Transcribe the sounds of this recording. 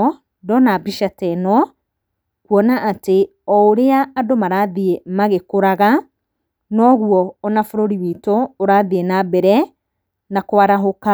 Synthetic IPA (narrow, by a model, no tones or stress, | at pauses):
dɔnabiʃatɛnɔ | kuɔnaʔate | ɔoɾeaːdomaɾaðiemaɣekoɾaɣa | nɔɣuɔːnafoɾoɾiwitoːɾaðienabɛɾɛ | nakowaɾaɦoka